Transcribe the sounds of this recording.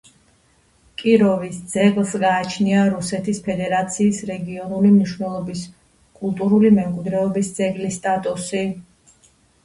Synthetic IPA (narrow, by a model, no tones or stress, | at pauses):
kʼiɾɔvisd̪zɛɡlˠsɡaːt͡ʃʰniaɾusɛt̪ʰispʰɛd̪ɛɾat̪sʰiːsɾɛɡiɔnulimniʃwnɛlˠɔbis | kʼulˠt̪ʼuɾulimɛmkʼwid̪ɾɛɔbisd̪zɛɡlist̪ʼat̪ʼusi